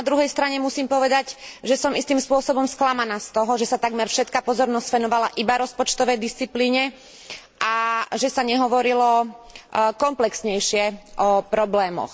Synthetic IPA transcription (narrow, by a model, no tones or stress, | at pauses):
nad̪ɾuɦɛjst̪ɾaɲɛmusiːmpɔʋɛd̪aɟʒɛsɔmist̪iːmspʊɔsɔbɔmsklamanaːst̪ɔɦɔʒɛsat̪aɡmɛɾfʃɛt̪kaːpɔzɔɾnɔsfɛnɔʋalaʔibaɾɔspɔt͡ʃt̪ɔʋɛjd̪ist͡sipliːɲɛ | ʔaʒɛsaɲɛɦɔʋɔɾilɔ | kɔmplɛksɲɛjʃɪɛʔɔpɾɔblɛːmɔ̰x